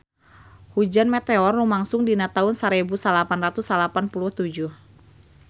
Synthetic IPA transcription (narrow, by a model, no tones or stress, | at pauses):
hud͡ʒanmɛt̪ɛɔrlumaŋsʊŋdinat̪aʊnsaɾɛbusalapanrat̪usalapanpuluht̪ud͡ʒuh